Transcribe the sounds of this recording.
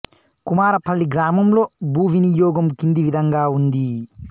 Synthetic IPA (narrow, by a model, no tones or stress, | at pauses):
kumaːɾɐpʰɐlːiɡɾaːmɐmlo̞ːbuːʋinijɔːɡɐmkind̪iʋid̪ʱɐŋɡaːund̪i